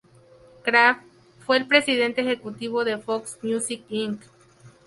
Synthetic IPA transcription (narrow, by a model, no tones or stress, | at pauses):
kɾaf | fweːlpɾesiðent̪eexekut̪iβoðefoksmjusikiŋk